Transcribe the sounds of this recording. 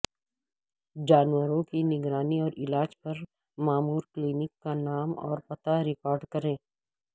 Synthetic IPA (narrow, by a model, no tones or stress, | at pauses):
d͡ʒaːnwəɾõkinɪɡɾaːniɔːɾɪlaːd͡ʒpɐɾ | maːmuːɾkliːnɪkːanaːmɔ̰ːɾpɐt̪aɾɪkɔːɾɖkɐɾẽː